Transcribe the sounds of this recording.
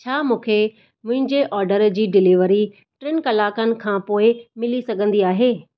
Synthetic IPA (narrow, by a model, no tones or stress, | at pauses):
t͡ɕʰaːmũːkʰe | mʊ̃ɦɪ̃ɲd͡ʑeʔɔːɾɖəɾd͡ʑiːɖɪliʋəɾi | ʈɾɪnkɐlaːkənɪ̆kʰãːpoːɪmɪlisɐɡʱə̃nd̪iaːɦeː